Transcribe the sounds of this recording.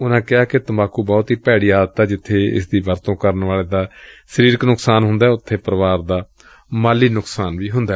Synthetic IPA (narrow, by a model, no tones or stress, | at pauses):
ʊnãːkɪaːkɪt̪əmaːkuːbɔːt̪ɦiːpɛːɽiːaːd̪t̪ɛːd͡ʒɪt̪ʰːeːɪ̰sd̪iːʋəɾt̪õːkəɾnʋaːleːd̪aːsəɾiːɾknʊksaːnɦʊ̃nd̪aːɛːʊt̪ʰːeːpəɾəʋaːɾd̪aː | maːliːnʊksaːnʋiːɦʊnd̪aːɛ